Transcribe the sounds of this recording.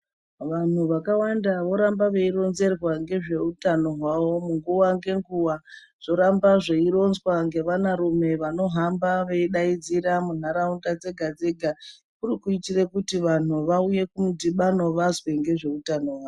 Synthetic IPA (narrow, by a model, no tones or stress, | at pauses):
ʋan̤uʋakawandaʋo̞ɾambaʋe̞iro̞nze̞rwaŋɡe̞ʐe̞utano̞ɦwaʋo̞muŋɡuwaŋɡe̞ŋɡuwa | ʐ̥o̞ɾambaʐeiɾo̞nzwaŋɡe̞ʋanaɾume̞ʋano̞ɦambaʋe̞iɗaid͡ziɾamun̤aɾaundad͡ze̞ɡʱad͡ze̞ɡʱa | kurikuitirekutiʋan̤uʋauje̞kumudiɓano̞ʋazwe̞ŋɡe̞ʐe̞utano̞ɦwaːo